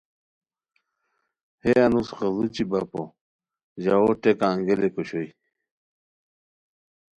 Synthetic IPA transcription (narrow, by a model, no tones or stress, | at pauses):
heɐnusxɐzut͡ɕibapo | ʑaoʈekãːŋɡelekoɕoi